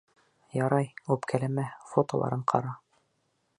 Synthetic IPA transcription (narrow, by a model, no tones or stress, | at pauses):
jɑɾɑjʉpkʰælæmæfot̪olˠɑ̰ɾɤɴqʰɑ̰ɾɑ